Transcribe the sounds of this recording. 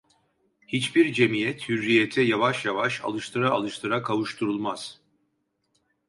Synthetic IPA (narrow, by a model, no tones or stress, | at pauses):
hit͡ʃbiɾd͡ʒe̞mijɛt̪hyɾːijet̪ʰɛjavaʃjavaʃa̰lˠɯʃt̪ʰɯɾa̰ːlˠɯʃt̪ʰɯɾakʰavuʃt̪ʰuɾulˠmaz̥